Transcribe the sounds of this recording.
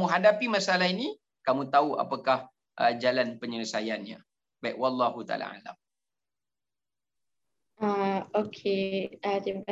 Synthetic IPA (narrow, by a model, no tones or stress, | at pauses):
ũɦadapimasalaɦini | kamũt̪aua̰pakah | ʔəd͡ʒalanpəɲələsajanɲã̰ | b̥aiʔwɑlˤːɑɦut̪a̰la̰a̰la̰m | aokʰeat̪imaka